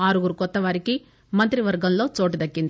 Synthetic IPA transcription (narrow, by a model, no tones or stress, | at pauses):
aːɾɯɣɯɾɯkɔt̪ːɐʋaːɾɪkːi | mɐnt̪ɪɾiʋɐɾɡɐmloːt͡ʃoːʈːɯt̪ɐkːɪnd̪